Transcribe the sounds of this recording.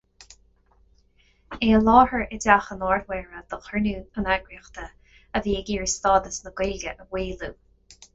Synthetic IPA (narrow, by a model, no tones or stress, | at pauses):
eːəlɑːhəɹʔɛdaxənɔːɹdwɛːɹəd̪̥əxənuːənaɡɹiːxt̪ə | əviːəɡiːɹəst̪ɑːd̪əsnəɡweːləʔəwiːluː